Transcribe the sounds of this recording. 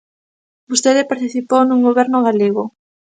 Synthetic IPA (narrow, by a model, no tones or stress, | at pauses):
bust̪eðɪpaɾt̪iθipownuŋɡoβɛɾnʊɣaleɣo